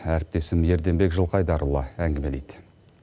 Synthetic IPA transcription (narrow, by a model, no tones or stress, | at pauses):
æɾɪp̚t̪e̞sɪmje̞ɾd̪e̞mbe̞kʒəlˠqɑjd̪ɑɾulˠːɑæŋɡʲɪme̞lejd̪̥